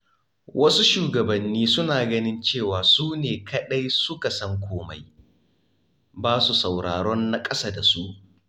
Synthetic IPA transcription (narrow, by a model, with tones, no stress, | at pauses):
wʔɐ˦su˦ʃuː˨ɡɐ˨bɐ˨nːiː˦sʊ˦naː˨ɡɐ˦nɪ˦nt͡ʃeː˦˨waː˨suː˦neː˨kɐ˦ɗa˦jsʊ˦ka˨sɐ˦ŋkʷʰoː˦ma̰˦j | baː˦su˨sa˨wɽa̰ː˨ɽɔ˦nːa˦kʼɐ˦saː˦da˨su˦ʔ